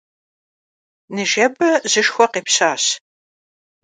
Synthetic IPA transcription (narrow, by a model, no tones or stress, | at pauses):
nɨʒɐbɨʑɨʃxʷɔqeːpɕaːɕ